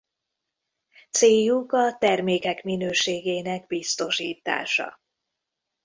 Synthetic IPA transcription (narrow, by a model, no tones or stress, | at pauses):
t̪seːjukɒt̪ɛrmeːkɛkminøːʃeːɡeːnɛɡ̚bist̪o̞ʃiːt̪a̰ːʃɒ̰